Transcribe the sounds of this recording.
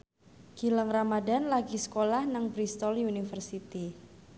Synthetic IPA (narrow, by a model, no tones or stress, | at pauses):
ɡ̥iləŋramadanlaɡisə̥kolahnaŋbɾist̪ɔlunifərsit̪i